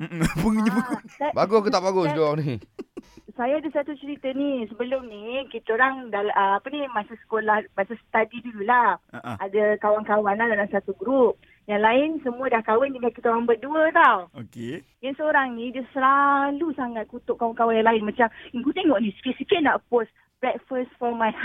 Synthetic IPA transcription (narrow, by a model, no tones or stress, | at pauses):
m̩pəŋɡiɲəpəsabaɡʊkət̪ap̚baɡʊsd͡ʒoani | sajaːdəsat̪ut͡ʃəɾit̪ənisəbəlʊmnikit̪aoɾaŋdalʔəapənimasasə̥kolahmasasə̥t̪adidululahaadakawaŋkawanlahdalamsat̪uɡɾup̚ | jaŋlaɪnsəmũədahkawənd͡ʒəŋakit̪aɾaŋbəduət̪awoke | jaŋsəoɾaŋnĩdəsəlalusaŋat̪̚kut̪ʊʔ̚kːawaŋkawanjaŋlaɪnmat͡ʃamiŋkut̪eŋɔʔnĩsə̥kɪt̪̚səkɪʔ̪̚naʔpos | bɾɛt̚fəsfɔmaj